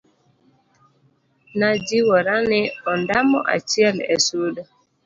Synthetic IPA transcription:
nad͡ʒiwɔɾanɪɔndamɔ̰ʔa̰t͡ʃiɛlɛ̰sudɔ

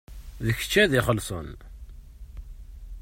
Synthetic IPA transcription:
ðəçə̥t͡ʃːæðiχəlsˤən

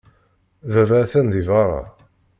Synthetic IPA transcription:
ðævæθænðivɑɾˤɑ̰

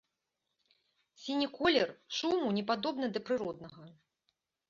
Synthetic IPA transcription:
sʲinʲikɔlʲɛrʂumunʲɛpad̪ɔbnɨd̪ɐpɾɨɾɔd̪̚nɐɣɐ

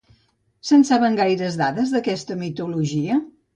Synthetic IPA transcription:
sənsaβəŋɡajɾəzðaðəzðəkɛst̪əmit̪uluʒiə

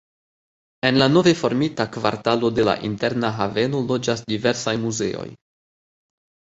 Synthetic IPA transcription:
e̞nlano̞vefo̞ɾmitakva̰ɾtalo̞de̞la̰ʔinte̞ɾnaɦave̞no̞lo̞d͡ʒasdive̞ɾsajmuze̞̰o̰j

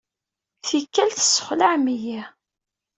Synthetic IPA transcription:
θikːælθə̥sːə̥χlaʕmiji

